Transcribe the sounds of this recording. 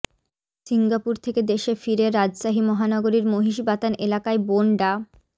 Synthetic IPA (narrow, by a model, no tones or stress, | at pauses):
siŋɡapuɾt̪ʰeked̪eʃefiɾeɾːad͡ʑʃaɦimɔɦanɔɡoɾiɾmoɦiʃbat̪anʔelakaeboɳɖa